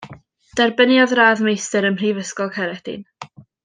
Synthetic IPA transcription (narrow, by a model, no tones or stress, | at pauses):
d̥ɛrbənjɔðraːðmejstəɾəmr̥iːvəskɔlˠkʰɛɾɛd̥ɪ̰n